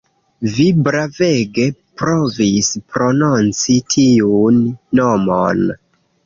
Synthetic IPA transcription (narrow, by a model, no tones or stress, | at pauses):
vibɾave̞ɡe̞pɾo̞vispɾo̞nont͡sitʰiunːo̞mo̰n